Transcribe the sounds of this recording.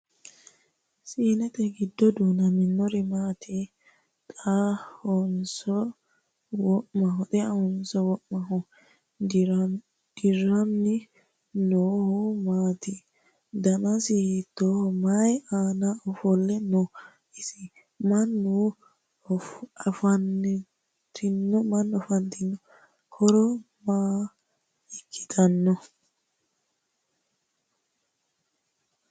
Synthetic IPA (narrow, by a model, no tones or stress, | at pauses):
siːnɛt̪ɛɡɪd̪ːɔd̪uːnɐmɪnːɔɾɪmaːt̪ʰɪ | t̪ʼahɔnsɔ | wɔʔmɐɦɔt̪ʼɛɐhɔnsɔwɔʔmɐɦɔ | d̪̥ɪɾːɐnːɪ | noːhʊmaːt̪ɪ | d̪ɐnɐsɪhit̪ːomajaːnaɔfɔlːɛnɔ | ɪsɪ | mɐnːu | ɐfɐnː | t̪ʰɪnːɔmɐnːɔfɐnt̪ɪnːɔ | kʰɔɾɔ | maː | ɛkːɪ̥t̪ɐnːɔ